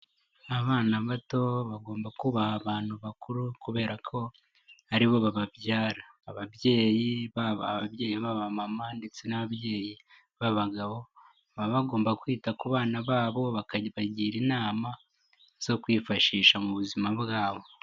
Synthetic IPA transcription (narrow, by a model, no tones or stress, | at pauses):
aβaːnaβato̞βaɡo̞ːmbakuβahaβaːn̥huβakuɾukuβe̞ːɾakʰo̞ | aɾiβo̞βaβabjaːɾaːβaβje̞ːjiβaββaβje̞ːjiβaβamamande̞t͡se̞naβaβje̞ːji | βaβaɡaβo̞ | βaβaɡo̞ːmbakwiːtakuβaːnaβaːβo̞βakaβaɟiːɾinaːma | z̥o̞kwiːfaʃiːʃamuβuzimaβɡaːβo̞